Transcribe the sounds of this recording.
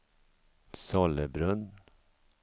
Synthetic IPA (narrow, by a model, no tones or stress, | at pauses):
sɔləbɾɵn